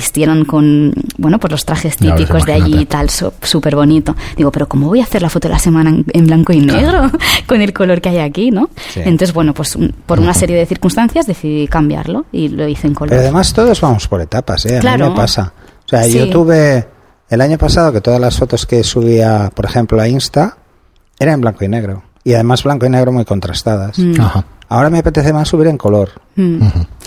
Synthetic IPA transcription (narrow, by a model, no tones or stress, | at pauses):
ist̪je̞ɾoŋko̞nbwe̞no̞pwo̞zlo̞st̪ɾaxe̞st̪ipiko̞zðeaʝit̪also̰supe̞ɾβo̞nit̪o̞d̪iɣo̞pe̞ɾoko̞moβo̞jaːθeɾlafot̪oḛlase̞mãnaemblaŋkoineɣ̞ɾo̞ko̞ne̞lko̞lo̞ɾkeajakino̞̰ent̪oθezβweno̞pwe̞supo̞ɾunase̞ɾje̞ðe̞θiɾkunst̪anθjazðe̞θiðikambja̰ɾlo̞ilo̞iθoeŋkolpeɾoaðe̞mast̪o̞ðo̞zβamo̞spo̞ɾe̞t̪apa̰seamlãmepasao̥seaʝot̪uβe̞ː | laɲo̞pasað̞o̞ke̞t̪o̞ðazlasfo̞t̪o̞ske̞suβiapo̞ɾe̞xẽ̞mploainst̪a | e̞ɾaemblaŋkoine̞ɣ̞ɾo̞ | iaðe̞mazβlaŋko̞ine̞ɣ̞ɾo̞mujko̞nt̪ɾast̪að̞asahaao̞ɾameape̞t̪e̞θemasːuβiɾe̞ŋko̞lo̞ɾ